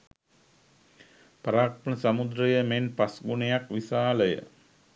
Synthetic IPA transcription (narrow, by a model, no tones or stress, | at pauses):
pəɾaːk̚pənəsamud̪ɾəjəmenpasɡunejakʋisaːləjə̰